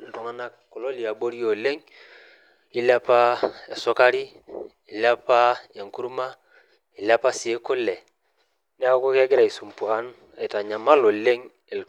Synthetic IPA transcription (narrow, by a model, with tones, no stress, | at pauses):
ltu˨ŋa˦na˦kːo˨lo˦li˨a˨bo˦ɾi˦jo˨le˦ŋ | ɪ˦la˦pa˦e˨sʊ˦ka˦ɾi˦ | i˨la˦pa˦e˨ŋku˦ɾma˦ | i˨la˦pa˦sɪ˨e˦kʊ˦lɛ˨ | n˦a˦ko˦ke˦ɡɪ˦ɾa˨i˨su˨mpu˨ha˦n | a˨i˨ta˨ɲa˨ma˦lo˨le˦ŋ | i˨lt